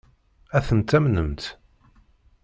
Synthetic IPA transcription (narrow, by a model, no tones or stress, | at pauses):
æθənt̪æmnəmt̪